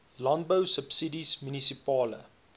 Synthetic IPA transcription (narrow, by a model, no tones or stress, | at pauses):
lɔ̃nbəwsəpsidismjunisipɑːlə̰